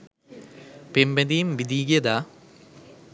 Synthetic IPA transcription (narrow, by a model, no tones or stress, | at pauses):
pembed̪ijmʋid̪iːɡiɐd̪a